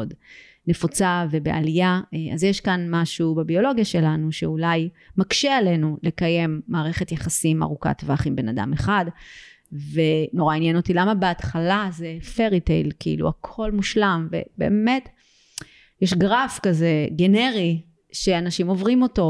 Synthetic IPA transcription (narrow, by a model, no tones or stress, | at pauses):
d | ne̞fot͡save̞bea̰lijaazjeʃkanmaʃubebio̞lo̞ɡjaʃe̞lanuʃeulaj | makʃeale̞nule̞kaje̞mːaːʁe̞χetjaχasima̰ʁuka̰tvaχimbe̞nada̰meχad | ve̞no̞ʁainjenotilamabeatχalazefeʁitḛlkiḭlṵakʰo̞lmuʃlamve̞̰be̞̰ːme̞t | jeʃɡʁafkaze̞ɡe̞ne̞ʁi | ʃe̞anaʃimo̞vʁimo̞to̞